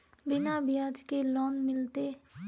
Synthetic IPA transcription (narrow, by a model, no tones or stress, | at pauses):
bɪnabɪjaːd͡ʒkelɔːnmɪlt̪e